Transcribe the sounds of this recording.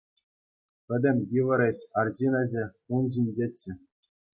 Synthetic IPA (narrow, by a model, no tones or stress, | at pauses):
pʲɘ̆dʲɘ̆mʲjiʋɤ̆ɾʲeɕɑrʑinɑʑe | unʑinʲd͡ʑet͡ɕːɘ̆